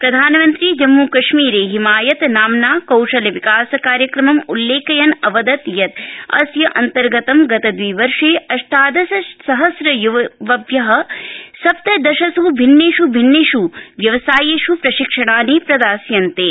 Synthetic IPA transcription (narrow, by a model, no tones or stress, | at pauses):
pɾɐd̪ʱaːnɐmɐnt̪ɾid͡ʒɐmːuːkɐʂmiːɾeːɦimaːjɐt̪naːmnaːkɐwʂɐlɐʋikaːsɐkaːɾjɐkɾɐmɐmulːeːkɐjɐnɐʋɐd̪ɐt̪jɐt̪ɐ̰sjɐʔɐnt̪ɐɾɡɐt̪ɐmɡɐt̪ɐd̪ʋiːʋɐɾʂeːɐʂʈaːd̪ɐsɐsɐɦɐsɾɐjuʋʋɐbjɐɦɐ̆sɐp̚t̪ɐd̪ɐʃɐsubʱinːeːʂubʱinːeːʂuʋjɐʋɐsaːjeːʂupɾɐʃikʂɐɽ̃aːniːpɾɐd̪aːsjɐnt̪eː